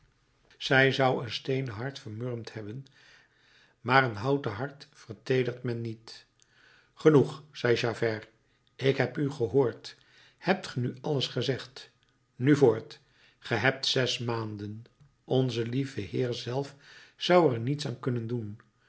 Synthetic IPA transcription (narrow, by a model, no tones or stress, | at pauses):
z̥ɛjzʌwənstejnəɦɑɹtfəɹmørmthɛbən | maːrənɦɑwtəɦɑɹtfəɹtejdəχtmɛnːit | χənuχsɛjʒaːvɛr | ɪkɦɛpyχəɦoːɹt | hɛp̚tχənyɑləsχəzɛχt | nyvʊːɹt | χəɦɛp̚tsɛsmaːndən | ɔnzəlivəhɪːɹzɛlˠfz̥ʌwəɹnitsa̰ːnkɵnəndun